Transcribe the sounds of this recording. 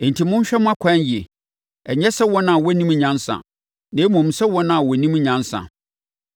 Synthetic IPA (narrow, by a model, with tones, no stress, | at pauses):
n̩˨tʰi˨mʊ̃˦ɕᶣɛ˦m̃˦a˦kʷʰã˦n˦ji˨e˨ | ɛ˨ɲɛ˦sɛ˦wɔ˦nã˨wɔ˦nĩ˦m˨ɲã˦nsã̰˨ | nẽː˨˦mɔ̃˨m̩˨sɛ˦wɔ˦nã˦˨wɔ˨nĩ˦m˦ɲã˨˦nsã̰˨